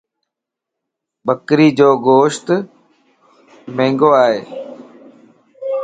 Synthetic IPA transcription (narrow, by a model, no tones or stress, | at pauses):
ɓəkɾiːd͡ʑoːɡoːʃt̪ | mẽːŋɡoːaːɦeː